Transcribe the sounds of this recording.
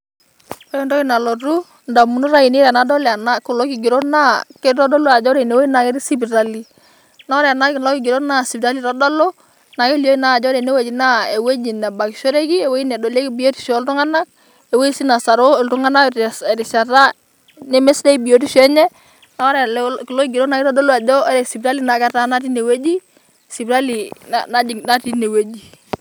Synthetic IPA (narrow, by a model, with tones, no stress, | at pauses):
ɔ˦i˦ndɔ˦i˦na˨lo˨ɾu˦ | nda˨mu˨nu˦ɾa˦i˨ni˦ɾɛ˨na˨˦dɔ˦la˨na˦ku˨lɔ˦ki˨ɡi˨ɾo˦na˦ke˦tɔ˦dɔ˦lu˦a˨d͡ʒɔ˦ɾe˨ne˨we˦i˦na˨ke˦ɾi˦si˦bi˨ɾa˦li˨ | na˦ɔ˦ɾɛ˨a˨na˦klɔ˦ki˨ɡɪ˨ɾo˦na˦si˨bɾa˦li˨ɾɔ˦da˦lo˦ | na˨ke˦ljo˦i˦na˦˨d͡ʒɔ˦ɾe˨ne˦we˨d͡ʒi˨na˦e˨we˦ɲi˨na˨ba˨ki˨ʃo˦ɾe˦ki˦e˨we˦i˦nɛ˨do˨le˦ki˦bi˨jo˦ti̥˨ʃɔ˨˦ltu˦ŋa˦na˦k̚ | ɛ˨we˦i˦si˦na˨sa˨ɾo˦ɛ˨ltu˦ŋa˦na˦˨ɾi˨sa˨ta˦ | ne˦me˦sdɛ˦bi˨o˦ti˦ʃɛ˦ɲɛ˦ | na˨˦ɔ˦ɾklɔ˦ɡi˨ɾo˦na˦ki˦ɾɔ˦dɔ˦lo˦a˨dɔ˦ɾɛ˨si˨bta˦li˦na˨ɡa˦ta˦na˦ti˦ne˨we˦d͡ʒi˦ | si˨bɾa˦li˨na̰na˦i˨na˦ti˦ne˨we˦d͡ʒi˨